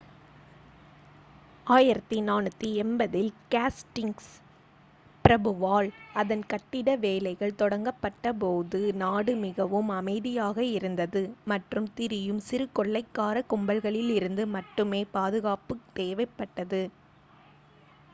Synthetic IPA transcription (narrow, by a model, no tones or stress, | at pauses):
aːjɪɾɐt̪ːinaːnɯt̪ːiɛmbɐðɪlkaːsʈɪŋs | pɪɾɐbɯʋaːlɐðɐnkɐʈːɪɽɐʋeːlɐɪɣɐɭt̪ɔɽɐŋɡɐpːɐʈːɐpoːðɯnaːɽɯmɪɣɐʋɯmɐmɐɪðɪjaːɣɐɪɾɯnd̪ɐðɯmɐʈrɯmt̪ɪɾɪjɯmsɪɾɯkːɔɭːɐɪkːaːɾɐkʊmbɐlɣɐɭɪlɪɾɯnd̪ɯmɐʈːɯmeːpaːðɯɣaːpɯt̪eːʋɐɪpːɐʈːɐðɯ